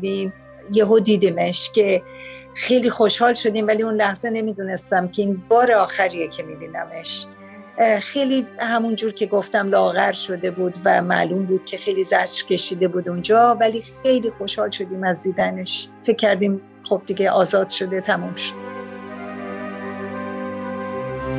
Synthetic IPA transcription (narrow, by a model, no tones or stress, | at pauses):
d̪im | jeɦod̪iːd̪iːmeʃcʲʰe̞xe̞jliːxo̞ʃhɒːlʃo̞d̪iːmvæliunlæhz̥ene̞miːd̪uːne̞st̪æmcʰe̞iːnbɒːɾeɒːxæɾijecʰe̞mibiːnæme̞ʃ | xe̞jliːhæmund͡ʒuːɾcʰe̞ɡoft̪æmlɒːɣæɾʃo̞d̪e̞buːd̪væmæ̰luːmbuːd̪̥̚cʲʰe̞xe̞jlizæd͡ʒɾce̞ʃiːd̪e̞buːd̪und͡ʒɒːvæliːxejliːxo̞ʃhɒːlʃo̞d̪iːmæzd̪iːd̪æne̞ʃfecʲʰːæɾd̪iːm | xob̚d̪iɡeʔɒːzɒːd̪̥ʃo̞d̪e̞t̪ʰæmumʃod̪